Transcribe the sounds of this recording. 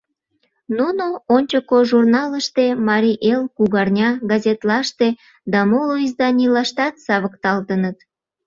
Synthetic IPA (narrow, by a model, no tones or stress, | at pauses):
nunoonʲt͡ɕokoʒurnɑləʃt̪emɑɾʲiʔelkuɣɑrnʲɑɡɑzʲet̪lɑʃt̪e | d̪ɑmoloizd̪ɑnʲilɑʃt̪ɑt̪sɑβəkt̪ɑlt̪ənət̪